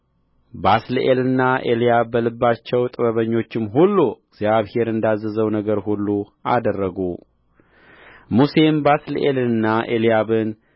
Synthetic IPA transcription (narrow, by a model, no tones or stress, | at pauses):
baslʔelɨnːaʔelijabːəlɨbːat͡ʃːɛwt̪ʼɨβəβəɲːo̞t͡ʃːɪmɦulːuɪɡzjaβhe̞ɾɨnd̪azːəzəwnəɡəɾhulːu | ʔa̰d̪ərːəɡu | muse̞mbaslɨʔelɨnːaʔelijaβɨn